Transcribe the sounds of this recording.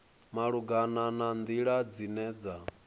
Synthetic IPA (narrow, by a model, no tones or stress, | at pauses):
maɺuɡananand̪iɺad͡zinɛːd͡za